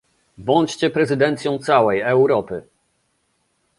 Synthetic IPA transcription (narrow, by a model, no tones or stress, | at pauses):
bɔɲt͡ɕt͡ɕɛpɾɛzɘd̪ɛnt̪sʲjɔ̃w̃t̪sawɛjɛwɾɔpɘ